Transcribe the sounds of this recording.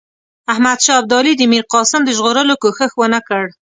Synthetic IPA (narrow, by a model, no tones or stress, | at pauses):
ahmad̪ʃɑb̚d̪ɑlid̪əmiɾqɑsɪmd̪əʒɣoɾəlokoxəxwənakəɽ